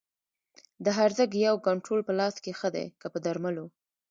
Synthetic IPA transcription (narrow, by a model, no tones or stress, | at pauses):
d̪əɦaɾzəɡjawkaɳʈɾolpəlɑskexəd̪a̰jkapəd̪aɾmalo